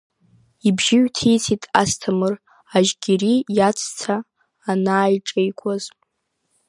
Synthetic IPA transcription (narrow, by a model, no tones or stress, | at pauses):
ibʒɪɥᶣtʰijt͡sʰitʼa̰stʰamɨr | aʒɡʲirijat͡sʰt͡sʰaː | naːjʈ͡ʂʼejkʷʰʼaz